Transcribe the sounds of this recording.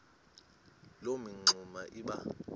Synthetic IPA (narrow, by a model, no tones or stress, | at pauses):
lomiŋ͡ǀʱumaʔiɓa